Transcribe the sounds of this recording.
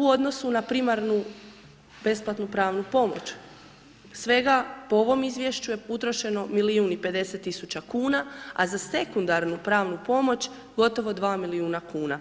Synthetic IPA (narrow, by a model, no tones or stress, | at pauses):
uo̞d̪no̞sunapɾimaɾnu | b̥e̞splˠat̪nupɾaːʋnupo̞mo̞̰t͡ɕ | sʋe̞ɡapooʋo̞mizʋje̞ʃt͡ɕujeut̪ɾo̞ʃe̞no̞miliuːnipe̞d̪e̞set̪ːisut͡ɕakuːnaa̰zase̞kund̪aɾnupɾaːʋnupo̞mo̞t͡ɕ | ɡo̞t̪o̞ʋo̞d̪ʋaːmiliuːnakuːna